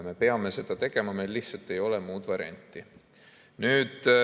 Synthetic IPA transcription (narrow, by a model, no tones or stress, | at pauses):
me̞pe̞ɑme̞se̞d̪̥ɑt̪e̞ɡ̥e̞mɑmejlːiht̪sɑlt̪ːˑe̞jo̞lɛmuːd̪vɑriɑ̰nʲt̪ːˑi | nyːd̪